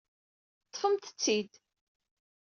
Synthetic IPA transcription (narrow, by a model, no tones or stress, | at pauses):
t̪ˤːfəmt̪ə̥t͡sːid̪